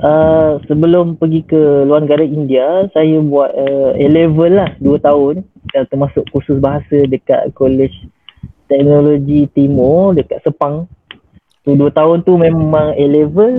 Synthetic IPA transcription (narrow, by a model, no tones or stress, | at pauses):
ʔəsəbəlʊmpəɡikəluarnəɡaɾaindiasajəbuat̪̚əelevəlːahduət̪aʊn | at̪ərmasʊʔkusʊsbaɦasədəka̰t̪̚kolɛt͡ʃ | t̪ɛk̚noloɡit̪imɔdəkaʔ̪̚səpaŋ | t̪uduət̪aʊnt̪umẽmãŋelevəl